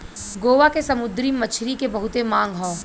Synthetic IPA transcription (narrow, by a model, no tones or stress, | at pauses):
ɡoːʋakesɐmʊd̪ɾimɐt͡ʃʰɾikebɐɦʊt̪emãːŋɡʱɦɔ̃ː